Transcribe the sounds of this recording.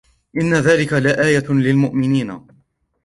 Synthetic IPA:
ʔɪnːaðaːlɪkalaʔaːjalɪlmʊʔmɪniːna̰

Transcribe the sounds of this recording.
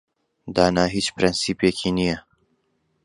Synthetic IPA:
d̪aːnaːɦit͡ʃpɾensiːpjekʰiːnijɐ

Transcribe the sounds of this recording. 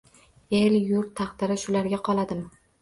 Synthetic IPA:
e̞ljʊɾt̪ʰːɑχt̪ɪɾɪʃʊlaɾɡʲaqʰɒlˠad̪ɪm

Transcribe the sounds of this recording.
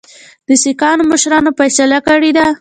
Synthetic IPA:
d̪̥əsikɑnoməʃɾɑnofajsalakəɽed̪a

